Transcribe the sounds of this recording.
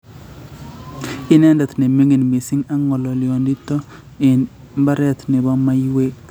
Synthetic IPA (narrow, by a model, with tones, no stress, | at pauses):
ɪ˦nɛ˦ndɛ˨t̪ne˨mi˦ŋi˨nmi˨si˦ŋa˦ŋɔ˨lɔ˨ljo˨ndi˦tɔ˦ | ɪ˨n | mba˦ɾɛ˦t̪nɪ˨bɔ˦ma˦jwe˦k